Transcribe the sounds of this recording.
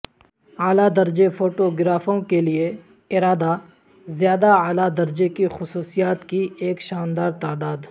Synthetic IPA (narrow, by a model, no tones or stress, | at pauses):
aːlad̪ɐɾd͡ʒefoːʈoɡɪɾaːfõkelie | ɪɾaːd̪a | zjaːd̪aaːlad̪ɐɾd͡ʒekixʊsuːsijaːt̪kieːkʃaːnd̪aːɾt̪aːd̪aːd̪